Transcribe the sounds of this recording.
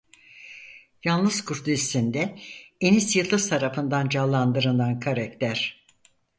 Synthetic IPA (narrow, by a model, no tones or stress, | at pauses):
jalˠnɯz̥kʰuɾt̪ʰist̪ind̪ɛenisjɯllˠːɯst̪ʰaɾafɯnd̪and͡ʒalˠːand̪ɯɾɯnankʰaɾakt̪ʰæɾ̥